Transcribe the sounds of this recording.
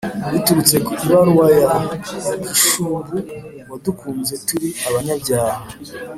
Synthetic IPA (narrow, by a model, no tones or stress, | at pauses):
wituɾut͡se̞kukuβaɾwaja | kiʃuːbu | wadukuːnze̞tuɾiaβaɲabɟaːha